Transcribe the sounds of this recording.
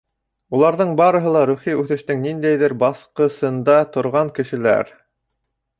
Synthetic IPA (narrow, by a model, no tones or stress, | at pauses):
ulˠɑɾðɤɴbɑɾɤ̆ɦɤ̆lˠɑɾʉχiʉθɘ̆ʃt̪ɘŋnind̪æjðɘɾbɑθqɤ̆sɤ̆nd̪ɑt̪ŏɾʁɑŋkɘ̆ʃɘ̆læ̰ɾ